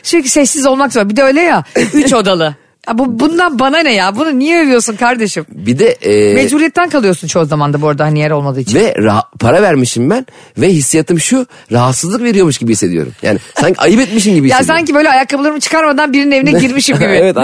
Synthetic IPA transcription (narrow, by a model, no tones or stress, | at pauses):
ʃyɾci̥sɛsːizo̞lˠmakzoɾbid̪ɛø̞jlʲɛjayt͡ʃo̞d̪alˠɯ | abubund̪anbananɛjabununijɛøvijo̞ɾsunkʰaɾd̪e̞ʃɯmbid̪ɛmezbuɾijɛt̪ːænkʰalˠɯjo̞ɾsunt͡ʃʰo̞hzamand̪abuoɾd̪anijɛɾo̞lˠmad̪ˠɯit͡ʃʰivɛɾapʰaɾavæɾmiʃimbæn | vɛɦisːijat̪ʰɯmʃu | ɾaɦat̪sɯzlˠɯkve̞ɾijo̞ɾmuʃɟibihisːe̞d̪ijo̞̰ɾṵmja̰ːnɪsaɲcʰiajɯpɛt̪̚miʃ̬imɟibijas̬aɲcibøjlʲɛajakʰːablˠaɾɯmɯt͡ʃʰɯ̥kʰaɾmad̪anbiɾinine̞vinɛɟiɾmiʃimmɟibɪ